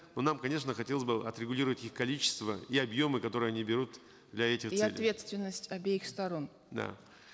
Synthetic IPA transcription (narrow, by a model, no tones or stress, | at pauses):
no̞namkɐnʲe̞ʂnəxɐtʲe̞lˠəzʲbɨʔɐ̰t̪ɾʲɪɡʊlʲiɾəvətʲixkɐlʲit͡ɕɪ̥st̪vəiɐbjo̞mɨkɐt̪o̞ɾɨəɐnʲibʲɪɾut̪ | d̪lʲɐɛtʲɪxiɐt̪ʲvʲe̞t̪st̪vʲɪnːəsʲtʲɐbʲeɪxst̪ɐɾo̞n | d̪a̰